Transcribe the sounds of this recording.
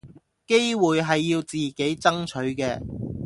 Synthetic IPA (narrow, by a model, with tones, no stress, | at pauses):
ke˥jwuː˨jɦɐ˨jːiː˧wt͡siː˨ke˨˥jt͡sɐ˥ŋt͡ʃʰɵ˨˥ɥkɛː˧